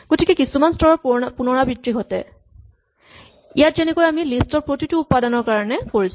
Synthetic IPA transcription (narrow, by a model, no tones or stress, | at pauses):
ɡ̥otikɛkisumanstɔɹɔɹpunɔɹabɹitɹiɦɔtɛ̰ | ḭjatzɛnɛkojamilistɔɹpɹotituːpːadɔnɔɹkaɹɔnɛkoɹis